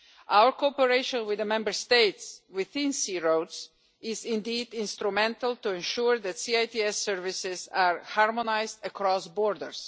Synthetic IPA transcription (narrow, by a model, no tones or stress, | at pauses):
ʔawəɹkoɔpəɹeɪʃɔ̃nwɪðəmɛ̃mbəɹst̪eɪtswɪθɪ̃nsiːɹoʊts | ɪzɪ̃ndiːd̪ɪ̃nst̪ɾumɛ̃ntəlˠt̪uɛ̃nʃuɹðætsiaɪtiɛsɛɹvɪsɪzaɹhaɹmɔnaɪzd̪əkʰɾɔsbɔɹdəɹs